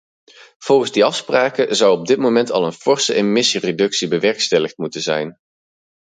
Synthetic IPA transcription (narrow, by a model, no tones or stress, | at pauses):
v̥ɔlˠχənzdiɑfspraːkəzʌwɔb̚dɪt̚momɛntɑ̰lˠənfɔɹsəʔemɪsiredɵksibəʋɛɹkstɛləχt̚mutənzɛ̰jn